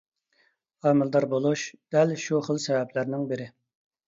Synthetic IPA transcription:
ɑːmɪlˠd̪ɑɾbolˠuʃd̪̥ɛlʃuχəlˠsɛvɛplæɾnɪŋbɪɾɪ

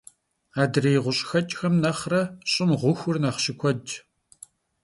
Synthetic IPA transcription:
aːdɨreːjʁʷʊɕʼxɐt͡ʃʼxɐmnɐχrɐɕʼɪmʁʷʊxʷʊrnɐχɕɪkʷʰɔd͡ʒ

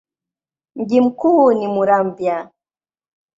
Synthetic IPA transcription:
ŋ̩ɡim̩kuːnimuɾambja

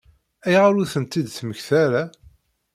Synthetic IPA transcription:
æjʁaɾuθənt̪ːid̪θməçθæɾa

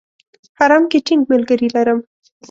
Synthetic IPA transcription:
haɾɑmkeʈiŋɡmalɡəɾilaɾəm

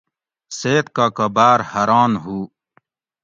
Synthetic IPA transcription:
seːt̪̚kaːkɐbaːɾhɐɾaːnɦuː

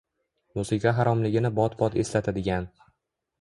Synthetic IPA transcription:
musɪkʰaɦaɾɒmlɪɡʲɪnɪbɒt̪bɒt̪e̞slat̪ʰad̪ɪɡʲan

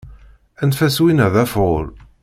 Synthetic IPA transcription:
ænt̪fæswinæðæfʊl

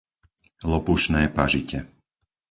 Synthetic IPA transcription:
lɔpuʃnɛːpaʒicɛ

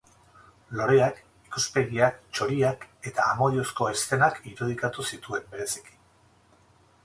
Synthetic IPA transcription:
lo̞ɾe̞ak | ikuspe̞ɣiakt͡ʃo̞ɾiake̞t̪aːmo̞ðio̞sko̞est̪e̞nakiɾuð̞ikat̪usit̪ue̞mbe̞ɾe̞si̥ki̥

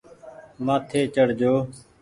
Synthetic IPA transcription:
maːt̪ʰeːt͡ʃəɽ̤d͡ʒoː

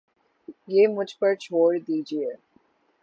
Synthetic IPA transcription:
jeːmʊd͡ʒʱpɐɾt͡ʃʰoːɽd̪iːd͡ʒie

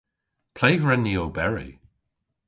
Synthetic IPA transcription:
pʰl̥ejɹɛnːioːbɛɹḭ

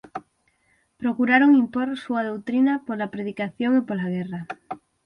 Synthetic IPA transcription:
pɾokuɾaɾoŋĩmpoɾsuað̞owt̪ɾinapoɾlapɾeðikaθjoŋipoɾlaɣ̞era

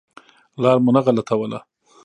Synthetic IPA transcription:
lɑɾmʊnaɣalat̪ʰawəla̰

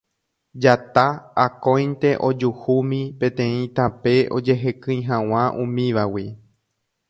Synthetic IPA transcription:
d͡ʒat̪aːkõ̞jnt̪e̞ʔo̞d͡ʒuhumĩpẽ̞t̪ẽ̞ĩt̪ãpe̞ʔo̞̰d͡ʒe̞ɦekɨ̃j̃ɦãw̃ãʔũmĩʋawi

